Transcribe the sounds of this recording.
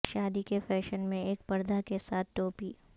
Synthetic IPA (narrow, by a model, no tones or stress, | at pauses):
ʃaːd̪ikefɛːʃənmẽeːk̚pɐɾd̪akesaːt̪̚ʰʈoːpiː